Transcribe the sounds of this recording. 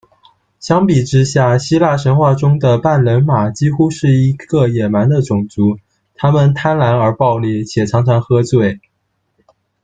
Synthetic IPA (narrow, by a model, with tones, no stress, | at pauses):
ɕjɑ˥ŋpi˨˩ʈ͡ʂɻ̩˥ɕja˥˩ɕi˥la˥˩ʂə˧˥nxwa˥˩ʈ͡ʂʊ˥ŋd̪ə˨pa˥˩nlə˧˥nma˨˩t͡ɕi˥xu˥ʂɻ̩˥˩i˧˥ɡ̥ə˧jɛ˨˩ma˧˥nd̪ə˧ʈ͡ʂʊ˨˩ŋt͡su˧˥ | t̪ʰa˥mə˨nt̪ʰa˥nla˧˥nə˞˧˥pɑ˥˧ʊli˥˩t͡ɕʰjɛ˨˩ʈ͡ʂʰɑ˧˥ŋt͡sʰɑ˧˥ŋxɤ˥t͡swe˥˩ɪ